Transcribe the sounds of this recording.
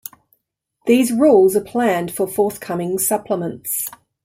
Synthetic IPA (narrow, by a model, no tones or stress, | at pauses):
ðiːzɹuːlˠzəpʰl̥ãnd̥fəfɔˑθkʰʌmɪ̃ŋsʌpʰləmə̃nts